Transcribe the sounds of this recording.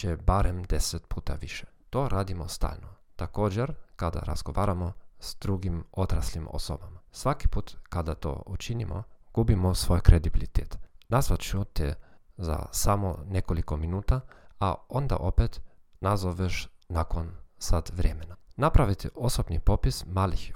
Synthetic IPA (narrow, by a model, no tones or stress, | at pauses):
t͡ʃebaɾemd̪eset̪puːt̪a̰ʋiʃe̥ | t̪oɾʔaːd̪imost̪a̰ːlnot̪akoːd͡ʑeɾkad̪a̰ɾa̰zɡoʋaːɾamoz̥d̪̥ɾuɡimot̪ɾaslimo̰so̰bamasʋaki̥puːt̪kad̪at̪o̰ut͡ʃinimo̰ɡ̥ubimosʋojkɾed̪ibilit̪eːt̪nasʋat͡ʃut̪ḛza̰samonekolikominuːt̪aaond̪a̰ʔo̞pet̪ | nazoʋeʃnakonsat̪ʋɾʲemenanapɾaʋit̪osobnipopismaːlix